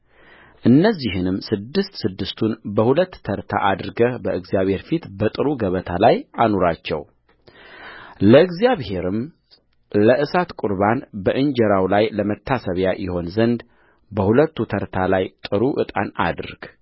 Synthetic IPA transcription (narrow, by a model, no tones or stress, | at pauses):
ʔɨnːəzːiɦɨnɨmːsɨd̪ːɨst̪sɨd̪ːɨst̪ʰunbəhulət̪ːʰəɾt̪ʰa̰ʔad̪ɾɡəbəʔɨɡzjaβhe̞ɾfit̪bət̪ʼɨɾuɡəβət̪ʰalajanoɾat͡ʃːɛ̰w | ləɨɡzjaβhe̞ɾɨm | ləʔɨsat̪kʼuɾβanbəʔɨɲd͡ʒəɾawlajləmət̪ʰːasəβjajɪho̞nzənd̪ | bəhulət̪ːut̪ʰəɾt̪ʰalajt̪ʼɨɾuʔɨt̪ʼa̰na̰d̪ɾɡ̥